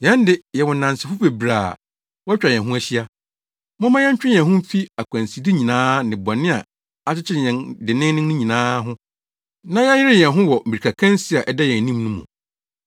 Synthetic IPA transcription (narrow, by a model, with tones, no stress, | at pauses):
jɛ̃˨˦n˦dɪ˦jɛ˨wɔ˨n˨nã˨nsɪ˨fʊ˦fe˨bɾaː˨ | wɔ˦t͡ɕᶣɾa˨ɲɛ̃˨ɦʊ̃˦æ˦ɕi˦a˦ | mʊ̃˦mã˦jɛ˦ɲ˦t͡ɕᶣɪ˦ɛ̃˨ɦʊ̃˦m̩˦fi˦a˨kʷʰã˨nsi˨di˦ɲĩ˨nãː˦nɪ̃˨bɔ˨nɪ̃˦a̰˨ | a˦t͡ɕʰɪ˦t͡ɕʰɪ˦ɾɛ̃˨ndɪ˨nɪ̃˦nɪ̃˦nʊ̃˦ɲĩ˨nãː˦ɦʊ̃˦ | nã˦ja˦jɪ˦ɾɪ˦jɛ̃˨nɦʊ̃˦wɔ˨m̩˨bi˨ɾi˨kʰa˨kʰã˦n˦si˦a˨ʔɛ˨da˦jɛ̃˨nĩ˦mnũ˦mṵ̃˨